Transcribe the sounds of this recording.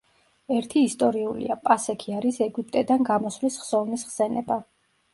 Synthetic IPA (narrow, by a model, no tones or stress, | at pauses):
ɛɾt̪ʰiːst̪ʼɔɾiulḭapʼasɛkʰiaɾisɛɡipʼt̪ʼɛd̪anɡamɔsvlisχsɔvnisχsɛnɛba